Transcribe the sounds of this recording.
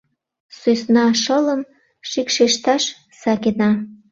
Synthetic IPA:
sujsnɑʃɤləm | ʃikʃeʃt̪ɑʃ | sɑkʲenɑ

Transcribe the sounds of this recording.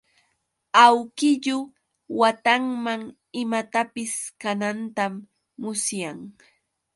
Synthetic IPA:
awkɪʎʊ | wat̪aŋmaŋ | ɪmat̪apɪskanant̪amː | ʊsjaŋ

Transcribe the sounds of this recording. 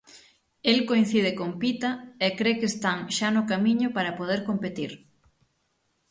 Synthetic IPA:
elkoin̟θið̞ɪkompit̪ɐekɾekeːst̪aŋʃanʊkamiɲʊpaɾɐpoð̞eɾkompet̪iɾ

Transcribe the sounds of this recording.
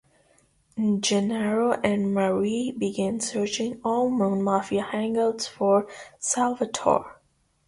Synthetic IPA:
d͡ʒɛnɛɹoʔɨ̃nməɹibiɡɪ̃nsɜ˞t͡ʃɪ̃ŋɔlˠmõnmafiəhæ̃ŋɡəlˠdz̥fɔɹsælˠvətʰɔ̰ɹ

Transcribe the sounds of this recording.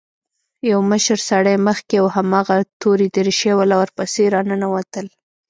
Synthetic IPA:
jawməʃəɾsaɽəjməxkeawhamɑɣat̪oɾid̪əɾɪʃewalawaɾpəseɾɑnənawat̪əl

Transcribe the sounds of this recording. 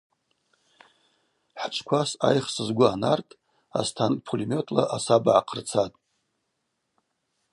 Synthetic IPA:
ħt͡ʃʷʰkʷʰasa̰jχsɨzɡʷʊanartʼ | a̰stʰankʼpʰolimʲo̞tʰlaʔasabaʕaqʰərt͡sʰatʼ

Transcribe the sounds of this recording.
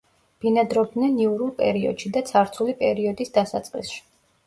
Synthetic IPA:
b̥inad̪ɾɔb̚nɛniuɾulˠpʼɛ̰ɾiɔ̰d̪̥ʃid̪at̪sʰaɾt̪sʰulipʼɛɾiɔd̪isd̪asa̰t̪sʼqʼḭsʃi̥

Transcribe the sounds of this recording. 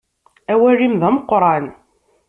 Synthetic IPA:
æwærːimðæməqːɾˤɑn

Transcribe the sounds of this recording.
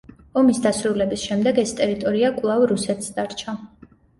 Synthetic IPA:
ɔmisd̪asɾulɛbisʃɛmd̪ɛɡɛst̪ʼɛɾit̪ʼɔɾiakʼwlˠavɾusɛt̪ʰsd̪aɾt͡ʃʰa

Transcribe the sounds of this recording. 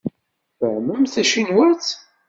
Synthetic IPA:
θəʕməmθæʃinwæθ

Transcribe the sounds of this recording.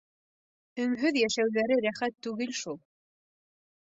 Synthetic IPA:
ɵ̆ŋɦɵðjæʃæwðæɾɘɾæχæt̪ːʉɡɘlʃulˠ

